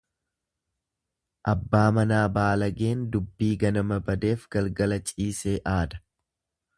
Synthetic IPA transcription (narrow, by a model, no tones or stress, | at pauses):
ʔɐbːaːmɐnaːbaːlɐɡe̞ːnd̪ʊbːiːɡɐnɐmɐbɐd̪e̞ːfɡ̥ɐlɡɐlɐt͡ʃʼiːse̞ːʔaːd̪ɐ̥